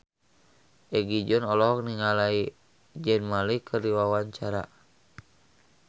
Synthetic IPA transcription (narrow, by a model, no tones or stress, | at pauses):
ʔɛɡid͡ʒɔnɔlɔɦɔk̚niŋalai | d͡ʒɛnmalikʰərdiwawaɲt͡ʃaɾa̰